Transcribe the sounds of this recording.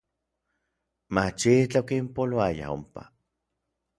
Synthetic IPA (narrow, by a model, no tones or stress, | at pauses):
mat͡ʃit͡ɬaokimpoloaja̰o̰mpa̰